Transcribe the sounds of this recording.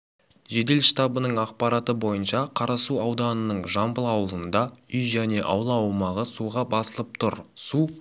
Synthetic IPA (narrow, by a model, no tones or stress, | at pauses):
ʒe̞d̪e̞lʃt̪ɑbənəɴɑq̚pɑɾɑt̪əbo̞jənʃɑqʰɑɾɑsuɑwd̪ɑnənəɴʒɑmbəlˠɑwəlˠənd̪ɑʏjʒæne̞ʔɑwlˠɑɑwmɑʁəsuʁɑbɑsəlˠəp̚t̪ʰʊɾsu